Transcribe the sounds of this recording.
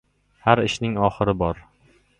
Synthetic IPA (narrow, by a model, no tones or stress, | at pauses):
haɾɪʃnɪŋɒχɨɾɪbɒɾ